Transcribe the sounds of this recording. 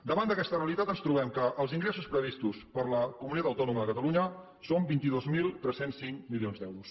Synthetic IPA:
d̪əβand̪əkɛst̪əreəlit̪at̪ənst̪ɾuβ̞ɛmkəʔːlˠziŋɡɾesuspɾəβist̪uspəɾləkumunit̪at̪əwt̪ɔnuməðəkət̪əluɲə | sombint̪iðozmilˠt̪ɾɛsensːiŋkmilionzd̪ɛwɾus

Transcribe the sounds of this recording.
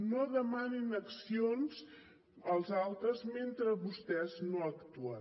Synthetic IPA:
noðəmaninəksionz | əlˠzalˠt̪ɾəzment̪ɾəβust̪ɛznoəkt̪uə

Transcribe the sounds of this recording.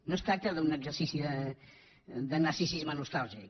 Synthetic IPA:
nost̪ɾak̚t̪əðunəɡzəɾsisiðə | ðənaɾsisizmənust̪alˠʒik

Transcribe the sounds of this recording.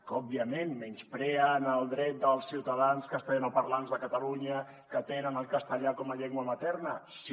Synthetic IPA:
kɔbiəmenmɛnspɾɛənəlˠd̪ɾɛt̪̚d̪əlˠsiwt̪əð̞anskəst̪eənopəɾlanzðəkət̪əluɲə | kət̪enənəlˠkəst̪əʎakɔməʎeŋɡwəmət̪ɛrnəs

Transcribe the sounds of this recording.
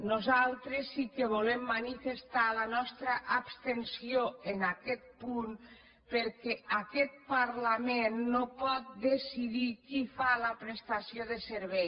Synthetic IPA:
nuzalˠt̪ɾesːikeβulemːanifest̪alənɔst̪ɾəʔːpst̪ensioenakɛt̪̚pun | peɾkɛʔakɛt̪̚paɾlamenːopɔt̪̚d̪esiðikifaləpɾest̪asioðeseɾβɛj

